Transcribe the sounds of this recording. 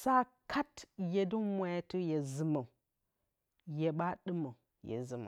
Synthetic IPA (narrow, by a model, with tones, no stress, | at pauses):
sa˦kʰa˦tje˨du˦nmʷa˨ja˦tu˦je˨zɨ˨ma˨ | je˨ɓa˦ɗɨ˦ma˨ | jḛ˨zɨ˨ma̰˨